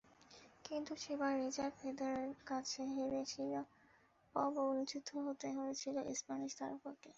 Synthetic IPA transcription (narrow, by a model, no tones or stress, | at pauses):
kint̪uʃebaɾːit͡ɕaɾɖfed̪oɾeɾkat͡ɕʰeɦeɾet͡ɕʰila | pɔbounit͡ɕid̪ʱːoɦot̪eɦoet͡ɕʰiloʔispaniʃt̪a̰ɾpoke